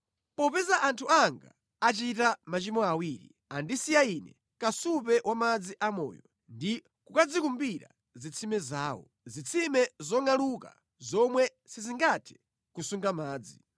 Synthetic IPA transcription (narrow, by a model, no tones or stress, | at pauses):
pɔpɛzaʔantʰuaŋɡa̰ | at͡ʃitamat͡ʃimɔawiːɾḭ | andisijainɛ | kasupɛwʔamad͡ziʔamɔ̰ːjɔ | ndi | kukad͡zikumbiɾa̰ | zit͡sʰimɛzaːwɔ̰ | zit͡sʰimɛzɔŋaluka̰ | zɔmwɛ | siziŋɡatʰɛ̥ | kusuŋɡamaːd͡zi